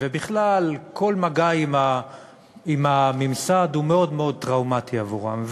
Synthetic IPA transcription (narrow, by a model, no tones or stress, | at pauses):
vebiχlalkʰo̞lmaɡaima | imamimsad̪humeo̞d̪meo̞d̪̚tʁaumat̪iavuʁa̰mv